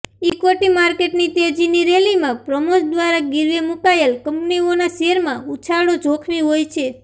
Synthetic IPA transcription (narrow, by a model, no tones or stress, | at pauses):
ikoʈimaɾkeʈnit̪ed͡ʒiniɾelimãpɾəmusd̪ʋaɾaɡɪɾʋemukaelkəmpnionaʃeɾmãut͡ʃʰaɽod͡ʒʱokʰʋiɦojt͡ʃʰe